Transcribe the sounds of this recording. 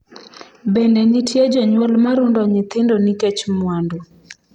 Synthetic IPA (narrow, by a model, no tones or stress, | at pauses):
bɛndɛnitjed͡ʒɔɲwɔlmaɾundɔɲɪt̪ɪndonikɛt͡ʃmwando